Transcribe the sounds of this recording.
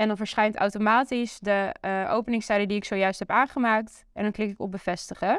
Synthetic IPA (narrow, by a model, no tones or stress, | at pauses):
ɛndɑnvəːɹsχɛjnta̰wtomaːtisdəʔo̰wpənɪŋstɛjdədiɪksowjœɥstɦɛpaːnχəmaːk̚t | ʔɛ̰ndɔnklɪkɪkɔb̚bəvɛstəχə